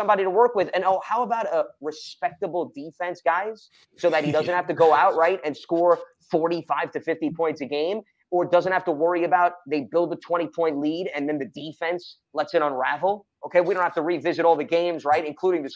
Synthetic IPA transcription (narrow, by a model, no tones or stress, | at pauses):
ʌ̃mbɑɾiɾəwɜ˞kwɨðɨ̃noʊhaʊəbaʊɾəɹɨspɛk̚təbl̩ˠdifɛ̃nsɡ̥aɪz̥ | soʊðɨt̚hiɾʌzɨ̃nt̚hæftɨɡoʊaʊʔ̚ɹaɪɾɨ̃nskɔɹ | fɔɹɾifaɪv̥tɨfɪftipʰɔ̃ɪ̃ntsɨɡẽɪ̃m | ə˞dʌzɨ̃nt̚hæftəwɜ˞iɨbaʊt̪̚ðeɪbɪlˠd̪̚ðətʰw̥ɛ̃ɾ̃ipʰɔ̃ɪ̃nʔˡliɾɨ̃nðɨ̃nðɨdifɛ̃ns | lɛtsɨɾə̃nɹævl̩ˠ | oʊkʰeɪwiɾõnthæ̥ftəɹivɪzɨɾɔlˠðɨɡẽɪ̃mzɹaɪɾɨ̃nkʰl̥uɾɪ̃ŋðɨ